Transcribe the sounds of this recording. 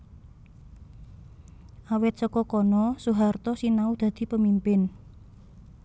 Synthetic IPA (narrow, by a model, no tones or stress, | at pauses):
ʔawɪt̪̚səkɔkɔnɔsuɦart̪ɔsinaud̪̥ä̤d̪̥i̤pəmimpɪn